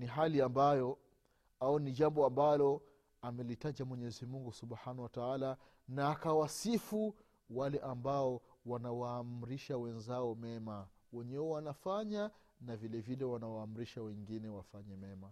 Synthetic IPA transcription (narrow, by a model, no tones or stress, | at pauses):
niɦaliambajɔ | auniʄambɔambalɔ | amɛlitaʄamwɛɲɛzimuŋɡusubħanahwataala | naːkawasifu | walɛʔambaɔwanawaːm̩ɾiʃawɛnzaɔmɛma | wɛɲɛwɛwanafaɲa | navilɛvilɛwanawaːm̩ɾiʃawɛŋɡinɛwafaɲɛmɛma